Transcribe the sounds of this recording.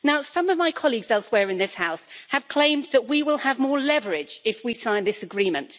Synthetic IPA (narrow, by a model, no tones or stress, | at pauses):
naʊsʌ̃mʌvmaɪkʰɒliɡzɛlˠswɛːɹɨ̃nðɪshaʊshəv̥kʰl̥ẽɪ̃mðəʔwiwɪlˠəvmɔːlɛvəɹɪd͡ʒɪfwisãɪ̃nðɪsəɡɹĩːmə̃nt